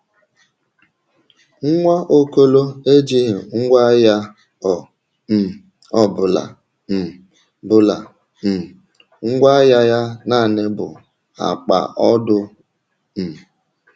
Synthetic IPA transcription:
ŋ̩˦ŋʷa˦ʔo˦ko˦lo˦e˦d͡ʒi˦ɦɪ˨ŋ̩˦ɡʷa˦ja˦ | ɔ˨ | m̩˨ | ɔ˨bʊ˨la̰˨ | m̩˨ | bʊ˦la˨ | m̩˨ | ŋ̩˦ɡʷa˦ja˦ja˦na˦˨nɪ˦bʊ̰˨ | a̰˨k͡pa̰˨ʔɔ˦dʊ˦ | m̩˨

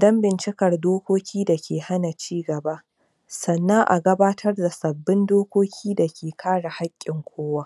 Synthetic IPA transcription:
dɐ˦mbɪ˨nt͡ʃɪ˦kɐ˨rdoː˦kʷoː˦kʲʰiː˦da˨kʲʰeː˨ha˦na˨t͡ʃiː˦ɡɐ˨ba˦ʔ | sɐ˨nːɐ˦ŋʔa̰˨ɡɐ˦baː˦tʰɐ˦rda˨sɐ˨bːɪ˦ndoː˦kʷoː˦kʲʰiː˦da˨kʲeː˨kʰaː˦ɽa˨ha˦kʲʼːɪ˨ŋkʷoː˦wa˦ʔ

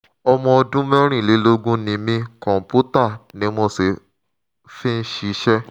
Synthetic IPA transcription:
ɔ˧mɔ̃˧ɔ˧dũ˦mɛ̃˦ɾ̃ĩ˦˨le˨˦lo˦ɡũ˦nĩ˧mĩ˧kɔ̃˨m̩˨pu˦ta˦˨nĩ˨˦mo˧se˨ | fi˦n̩˦ʃi˧˦ʃɛ˦

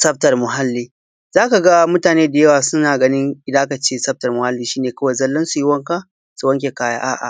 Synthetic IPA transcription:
sɐ˦b̚tɐ˨rmʊ˨ɦa˦lːiː˦ | z̥aː˦ka˨ɡa˦mʊ˦taː˨neː˦da˨jɐ˦waː˨sʊ˦naː˨ɡɐ˦nɪ˦ŋʔɪ˦daː˦ka˨t͡ʃeː˦sɐ˦b̚tɐ˨rmʊ˨ha˦lːiː˦ʃiː˦neː˨kɐ˦wɐ˨jzɐ˦lːɐ˦nsu˨ji˦wɐ˦ŋka˦ | su˨wɐ˦ŋk̬ʲe˨kaː˦ja̰ː˦ʔa̰ː˦ʔa̰˨

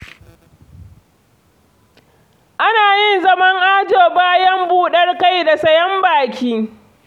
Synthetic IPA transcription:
ʔa˦naː˨jɪ˦nzɐ˦mɐ˦ŋʔaː˦d͡ʒoː˨baː˦jɐ˦mbuː˦˨ɗɐ˦rka˦˨jda˨sɐ˦jɐ˦mbaː˨kʲiː˦

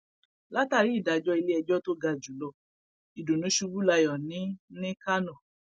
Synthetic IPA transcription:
la˦ta˧ɾi˨˦i˦˨da˨d͡ʒɔ˦i˧le˦ɛ˧d͡ʒɔ˦to˦ɡa˧d͡ʒu˨lɔ˧˨ | i˨do˨nũ˨˦ʃu˧bu˦la˧jɔ˨nĩ˨˦nĩ˦ka˦nɔ̃˦˨

